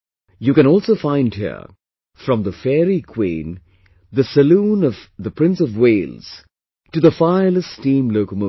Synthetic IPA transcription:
jɨkɨ̃ñɔːlˠsoʊfãɪ̃nd̚hḭɹ | fɹʌ̃mðəfɛɹikʰw̥ḭ̃ːn | ðəsɨlũːnʌv̥ðəpʰɹ̥ɪ̃nsʌvweɪlˠz̥ | tɨðəfaɪələstĩmloʊkəmo

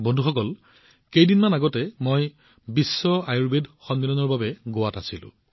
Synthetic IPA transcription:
bɔndʱuxɔkɔl | kejdinmanaɡɔtɛmoj | bisːɔajuɹbedxɔnmilɔnɔɹbabɛɡowatasilʊ̰̃

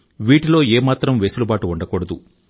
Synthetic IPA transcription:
ʋiːʈilo̞ːeːmaːt̪ɾɐmʋeːsulubaːʈuuɳɖɐkɔːɽɐd̪u

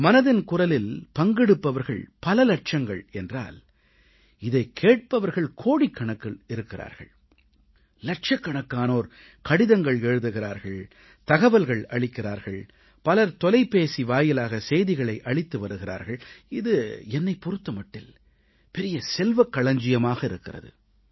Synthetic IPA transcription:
mɐnɐðɪnkʊrɐlɪlpɐŋɡɛɽɯpːɐʋɐɾɣɐ̰ɭpɐlɐlɐʈ̚t͡ʃɐŋɡɐ̰ɭɛndra̰ːl | ɪðɐɪkʰeːʈ̚pɐʋɐɾɣɐɭkʰoːɽikːɐɳɐkːɐlɪɾɯkːɪɾa̰ːɾɣɐ̰ɭ | lɐʈ̚t͡ʃɐkːɐɳɐkːaːnoːɾ | kɐɽɪðɐŋɡɐɭeːɻɯðɯɣɪɾaːɾɣɐɭ | t̪ɐɣɐʋɐlɣɐɭɐɭɪkːɪɾaːɾɣɐɭ | pɐlɐɾt̪ɔlɐɪpːeːsiʋaːjɪlaːɣɐsɛjðɪɣɐɭɐɪʔɐɭɪt̪ːɯʋɐɾɯɣɪɾa̰ːɾɣɐɭɪðɯɛnːɐɪpːɔɾɯt̪ːɐmɐʈːɪ̰l | pɛɾɪjɐsɛlʋɐkːɐɭɐɲd͡ʒɪjɐmaːɣɐɪɾɯkːɪrɐ̰ðɯ̰

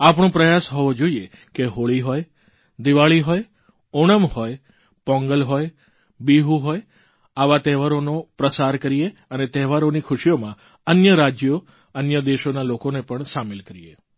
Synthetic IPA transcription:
apɳ̃õpɾəjasɦɔʋod͡ʒoiekeɦoɭiɦoj | d̪iʋaɭiɦoj | oɳ̃əmhoj | pɔ̃ŋɡəlɦoj | biɦuɦoj | aʋat̪ɛɦʋaɾonopɾəsaɾkəɾieənet̪ɛɦʋaɾonikʰʊʃiomã | ənjəɾad͡ʒjo | ənjəd̪eʃonalokonepəɳsamelkəɾijḛ

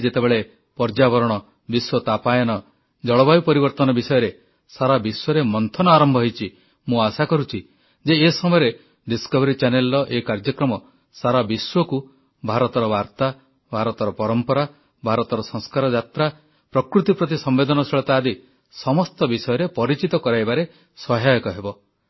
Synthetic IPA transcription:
d͡ʒet̪ebeɭe | pɔɾd͡ʒabɔɾɔɽ̃ɔ | biswɔt̪apajɔnɔ | d͡ʒɔɭɔbajupɔɾibɔɾt̪ɔnɔbisɔjɔɾe | saɾabiswɔɾemɔnt̪ʰɔnɔaɾɔmbʱɔɦɔjt͡ʃʰi | mũasakɔɾut͡ʃʰi | d͡ʒeːsɔmɔjɔɾe | ɖiskɔbɔɾit͡ʃanelːɔʔekaɾd͡ʒɔkɾɔmɔ | saɾabiswɔku | bʱaɾɔt̪ɔɾɔbaɾt̪a | bʱaɾɔt̪ɔɾɔpɔɾɔmpɔɾa | bʱaɾɔt̪ɔɾɔsɔŋ̃skaɾɔd͡ʒat̪ɾa | pɾɔkɾut̪ipɾɔt̪isɔmbed̪ɔnɔseɭɔt̪aːd̪i | sɔmɔst̪ɔbisɔjɔɾepɔɾit͡ʃit̪ɔkɔɾajbaɾe | sɔɦajɔkɔɦebɔ

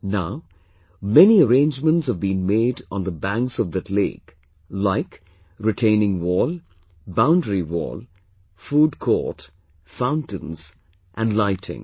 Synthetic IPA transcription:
naʊ | mɛniəɾẽɪ̃nd͡ʒmə̃ntshəvbĩnmeːd̃nd̪əbæ̃ŋksʌvd̪ɨtlḛɪk | laɪk | ɹɨʈʰẽɪ̃nɪ̃ŋwɔl | bãʊ̃ndɹiwɔ̰ːlˠ | fuːɖkʰɔ̰ʈ | fãʊ̃ntə̃nz̥ | ʔæ̃nlaɪtʰɪ̰̃ŋ

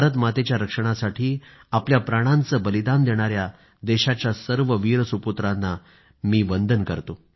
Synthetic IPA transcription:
bʱaɾət̪̬mat̪et͡ɕjaɾəkʂəɽ̃asaʈʰiː | apljapɾaɽ̃ant͡səːbəlid̪and̪eɽ̃aɾja | d̪eɕat͡ɕjasəɾʋəʋiːɾəsuput̪ɾanːa | miːʋənd̪ʱənkəɾt̪o

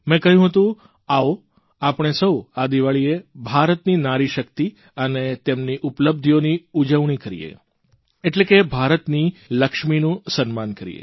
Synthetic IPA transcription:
mɛ̃kəɦjũɦət̪ũ | ao | apɳ̃esəwad̪iʋaɭiebʱaɾət̪ninaɾiʃəkt̪i | ənet̪emniʔupləb̚d̪ʱijoniud͡ʒəʋɳ̃ikəɾḭjḛ | eʈlekebʱaɾət̪niləkʃminũsənmankəɾḭjḛ

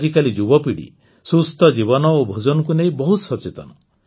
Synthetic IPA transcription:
d͡ʒikalid͡ʒubɔpiɽḭ | sust̪ɔd͡ʒiβɔnɔobʱud͡ʒɔnɔkunejbɔɦut̪sɔt͡ʃet̪ɔnɔ

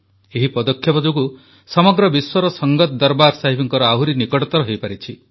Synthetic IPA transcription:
eɦipɔd̪ɔkʰjɔpɔd͡ʒuku | sɔmɔɡɾɔbiswɔɾɔsɔŋɡɔt̪d̪ɔɾbaɾsaɦipʰiŋkɔɾɔaɦuɾinikɔʈɔt̪ɔɾɔɦejpaɾit͡ʃʰi

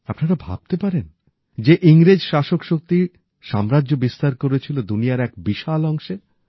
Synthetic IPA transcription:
apnaɾabʱa̰b̥̚t̪epaɾen | d͡ʑeʔiŋɾed͡ʑʃaʃokʃok̚t̪i | ʃamɾaʑobist̪aɾkoɾet͡ɕʰilod̪unijaɾɛkbiʃalɔŋʃe

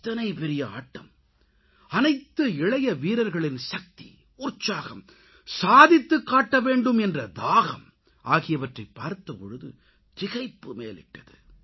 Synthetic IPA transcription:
t̪ːɐnɐɪpɛɾɪjɐa̰ːʈːɐ̰m | ɐnɐɪt̪ːɯɪɻɐjɐʋiːɾɐɾɣɐɭɪnsɐk̚t̪ḭ | ʊɾt͡ʃːaːɣɐm | saːðɪt̪ːɯkːaːʈːɐʋeːɳɖɯmɛndrɐd̪aːɣɐm | ʔaːɣɪjɐʋɐʈrɐɪpːaːɾt̪ːɐpɔɻɯðɯ̰ | t̪ɪɣɐɪpːɯmḛːlɪ̰ʈːɐðɯ

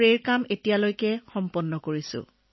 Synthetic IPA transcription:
ɹeɹkametijalojkɛxɔmpɔnːɔkoɹisʊ̰̃

